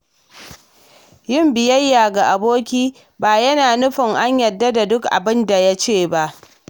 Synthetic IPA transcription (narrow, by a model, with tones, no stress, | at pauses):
jɪ˦mbɪ˨jɐ˦jːaː˨ɡa˨ʔa˨boː˦kʲiː˦ | baː˨jɐ˦naː˨nʊ˦ɸɪ˨ŋʔa˦ɲjɐ˨dːa˦da˨dʊ˦kʔa̰˨bɪ˦nda˨ja˦t͡ʃeː˦˨ba˦ʔ